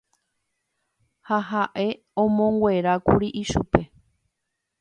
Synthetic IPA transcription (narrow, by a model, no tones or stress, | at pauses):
haɦaʔe̞ | õmõŋɡwʷe̞ɾakuɾiʔiʃupe̞